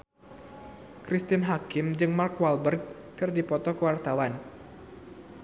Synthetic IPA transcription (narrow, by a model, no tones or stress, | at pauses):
kɾist̪ɪnɦakɪmd͡ʒɨŋmarkwalbərɡ̚ | kɨrdipɔt̪ɔkəwart̪awan